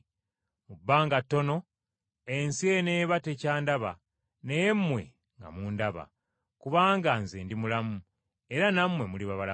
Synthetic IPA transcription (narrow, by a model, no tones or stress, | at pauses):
mubːaːŋɡatːo̞no̞ | ensieneːβate̞caːndaβa̰ | nejemːwe̞̰ | ŋɡa̰muːndaβa̰ | kuβaːŋɡanzeːndimulamu | e̞ɾanamwe̞muliβaβala